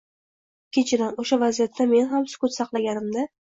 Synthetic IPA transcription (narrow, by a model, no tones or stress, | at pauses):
kʲʰet͡ʃʰɪɾanoʃavazijat̪ʰːame̞nɦamsʊ̥kʊt̪sɑqlˠaɡʲanɪmd̪a